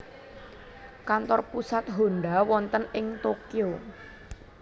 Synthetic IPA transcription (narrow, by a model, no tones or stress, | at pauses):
kant̪ɔrpusat̪̚ɦo̤nɖawɔnt̪ənɪŋt̪okio